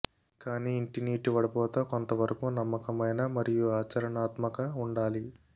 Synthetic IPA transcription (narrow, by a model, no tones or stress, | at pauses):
kaːniːɳʈiniːʈiʋɐɽɐpɔːt̪ɐːkont̪ɐʋɐɾɐkuːnɐmːɐkɐmɐjnɐmɐɾijuaːt͡ʃɐɾɐɳaːt̪mɐkɐuɳɖaːli